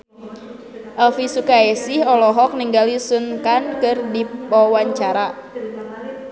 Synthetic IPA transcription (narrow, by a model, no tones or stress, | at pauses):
ʔɛlfisukaɛsɪhɔlɔɦɔk̚niŋɡalisunkankɨrdipɔwaɲt͡ʃaɾa